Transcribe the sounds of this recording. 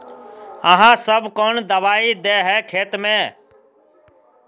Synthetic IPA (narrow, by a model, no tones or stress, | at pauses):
əɦãːsəbkoːnd̪əʋaːiːd̪eːɦɛːkʰeːt̪mẽː